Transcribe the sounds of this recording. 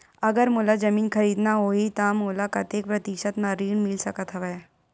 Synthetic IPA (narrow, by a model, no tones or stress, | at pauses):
əɡəɾmulad͡ʒəmiːnkʰəɾiːd̪naɦoit̪amulakɐt̪ek̚pɾət̪iʃət̪maɾiːɳmilsəkət̪ɦəʋaja